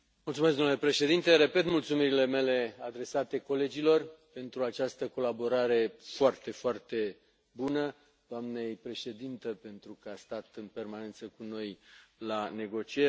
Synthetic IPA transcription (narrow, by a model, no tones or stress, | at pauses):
mult̪sumes̬ɡd̪omnule̞pɾe̞ʃed̪int̪e̞ɾe̞pe̞t̪mult̪sumiɾile̞me̞le̞ad̪ɾe̞sat̪e̞ko̞le̞d͡ʒilo̞rpe̞nt̪ɾuat͡ʃast̪əko̞labo̞ɾaɾe̞foart̪e̞foart̪e̞ | bunə | d̪̥oamne̞jpɾe̞ʃe̞d̪int̪epe̞nt̪ɾukəast̪at̪ɨnpe̞rmane̞nt̪səkuno̞jlane̞ɡo̞t͡ʃie